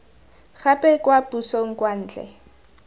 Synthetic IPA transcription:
χapʼɛkʼwapusoŋ̩kwan̩ːt͡ɬʼɛ̰

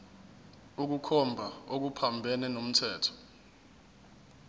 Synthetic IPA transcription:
uk̬ukʰɔmbʱaok̬upʰambʱɛnɛnom̩tʰɛːtʰɔ̥

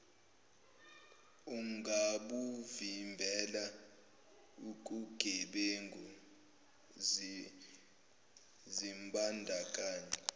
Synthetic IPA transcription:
uŋɡʱaɓuvimbʱɛla | uk̬ʼuɡ̥ʱɛɓeŋɡʱɔ | zimbandʱakʼaːɲɛ

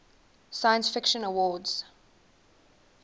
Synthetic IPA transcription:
saɪə̃nsfɪkʃə̃nəwɔːdz̥

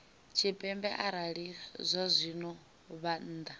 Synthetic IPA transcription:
t͡ʃʰipʼɛmbɛʔaɾaɺizʷazʷinɔ | βan̩ːd̪a

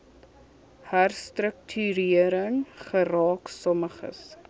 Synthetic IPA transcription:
hærstrək̚tʰyɾiəɾəŋχəɾɑːksɔməχə̰s

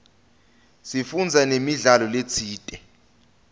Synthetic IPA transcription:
sifund͡zʱanemiɮalɔlet͡sʰiːtʼɛ

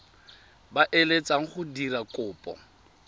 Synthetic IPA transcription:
baʔelet͡sʼaŋ̩χʊdirakʼʊːpʼɔ̰

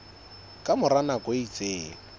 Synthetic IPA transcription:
kʼamʊranakʼweit͡sʼeː

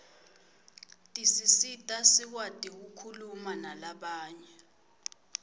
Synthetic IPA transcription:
tʼisisitʼasik̬watʼik̬ukʰulumanalaɓaːɲɛ

